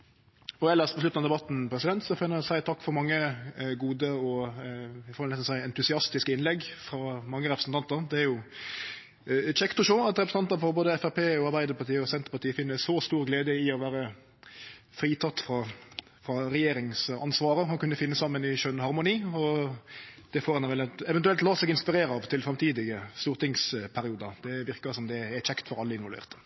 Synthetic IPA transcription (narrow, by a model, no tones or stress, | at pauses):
ɔɛlːəspʰɔslʉt̪nɑd̪ɛbɑt̪ːn̩pʰɾɛsɪd̪ɛnt̪sɔfɛnːəɔsæɪt̪ʰɑkːfɔɾmɑŋːəɡuːd̪əɔ | ɪfɔːɾʋɛlɛsnsæɪɛnt̪ʉsɪɑst̪ɪskəɪnlɛɡfɾɑmɑŋːəɾɛpɾəsn̩t̪ʰɑnt̪əɾd̪ɛæɾjʊ | t͡ʃɛkt̪ʊʂoːɑt̪ɾɛpɾəs̩n̩ɑnt̪əɾfɔɾboːd̪əɛfæpeːɔɑɾʁbæɪd̪əɾpɑt̪iːəɔsɛnt̪əɾpɑt̪iːəfɪnːəsɔst̪uːɾɡleːd̪əɪɔʋæːɾə | fɾiːt̪ʰɑt̪ːfɾɑ | fɾɑɾɛjeːɾɪŋsɑ̰nsʋɑːɾəhɑnkʉnːəfɪnːəsɑmːənɪʃœnhɑɾmʊniːɔ | d̪̥ɛfoːɾɛnʋɛlɛʋɛnt̪ʉɛlt̪lɑːsɛɡɪnspɪɾeːɾəɑʋt̪ʰɪlfɾɑmt̪ʰiːd̪ɪɡəst̪uːɾt̪ɪŋspʰæɾɪuːd̪əd̪̥ɛʋɪʁkəsɔmd̪ɛæt͡ʃɛkt̪fɔɾɑlːəɪnʋɔlʋḛːʁt̪ə̥